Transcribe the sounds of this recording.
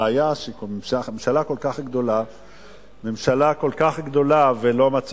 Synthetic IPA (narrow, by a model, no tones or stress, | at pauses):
ajaʃekmemʃaemʃalako̞lkaχɡd̪o̞la | memʃalako̞lkaχɡd̪o̞lavelo̞mat͡s